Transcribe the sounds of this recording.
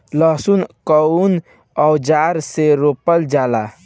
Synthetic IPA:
ləɦsunkən | ɔwd͡ʒaɾseɾopəld͡ʒala

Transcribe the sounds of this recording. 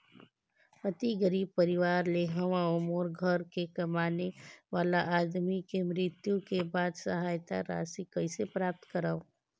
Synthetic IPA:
pɐt̪iɡəɾiːb̚pɐɾɪʋaːɾleɦɐʋãʊmoːɾɡʱəɾkekɐmaːneʋaːlaʔaːd̪mikemɾɪt̪jukebaːd̪sɐɦaːjt̪a̰ɾa̰ːsikɐisepɾaːp̚t̪kɐɾaːõː

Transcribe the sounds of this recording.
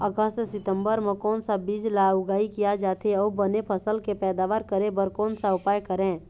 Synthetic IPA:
əɡəst̪sɪt̪ə̃mbəɾmẽkɔːnsabiːd͡ʒlaʊɡaːikijad͡ʒaːt̪eɔːbənepʰəsəlkepɛːd̪aːʋaːɾkəɾẽbəɾkɔːnsaʊpaːjkəɾẽː

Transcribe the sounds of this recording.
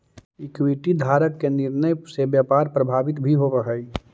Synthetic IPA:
ɪkwiʈid̪ʱaːɾəkːenɪɾnəjsebjapaːɾpɾɐbʱaːʋɪt̪bʱiɦoʋəɦəi

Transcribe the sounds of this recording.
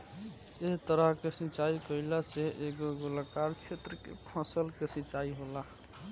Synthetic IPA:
et̪əɾəɦkesĩt͡ʃaikəilaseʔeɡoɡolakaɾt͡ʃʰet̪ɾəkḛpʰəsəlkesĩt͡ʃaiɦola

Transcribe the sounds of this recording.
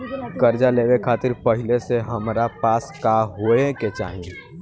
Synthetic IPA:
kəɾd͡ʒaleːʋekʰaːt̪ɪɾpəɦɪleseɦəmɾapaːskaɦoːeket͡ʃa̰ːɦĩ

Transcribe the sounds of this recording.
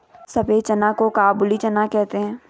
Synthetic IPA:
sɐbet͡ʃɐnakokaːbʊlit͡ʃɐnakɛɦt̪eɦɛ̃ː

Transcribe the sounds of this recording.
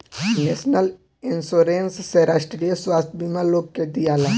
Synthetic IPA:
nesnəl | ɪnsoːɾeːnsseɾaːʃʈɾijəswaːst̪ʰbimaloːɡ̚ked̪ijaːla

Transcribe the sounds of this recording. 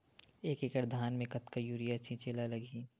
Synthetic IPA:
eːkekəʈd̪ʱaːnmẽkɐt̪kajuːɾiətːʃʰĩt͡ʃeːlalɐɡiː

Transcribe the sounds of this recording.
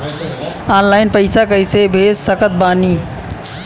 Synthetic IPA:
anlaɪnpəɪsakəjsebʱessəkət̪̚baːni

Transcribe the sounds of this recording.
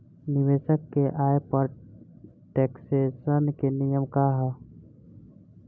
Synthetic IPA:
nɪʋeːʃəkːeʔaːjepəɾ | ʈeːksesənkenijəmkaɦɛ

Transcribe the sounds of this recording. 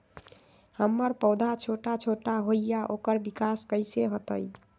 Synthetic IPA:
həmːəɾpəwd̪ʱat͡ʃʰoʈat͡ʃʰoʈaɦojjaʔokəɾbikaskəɪseɦot̪əj

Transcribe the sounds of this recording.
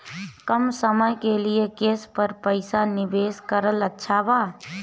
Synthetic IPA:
kəmsəməjkelijekeːspəɾpəɪsanɪbeːskəɾələtːʃʰaba

